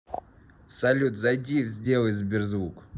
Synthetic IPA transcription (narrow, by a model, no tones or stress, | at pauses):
sɐlʲut̪zɐdʲijfzʲdʲelˠɨzʲbʲɪrzvuk